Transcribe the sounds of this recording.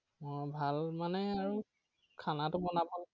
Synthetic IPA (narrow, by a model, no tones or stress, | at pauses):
mɔɹbʱalmanɛaɹu | kʰanatʊbɔnabɔl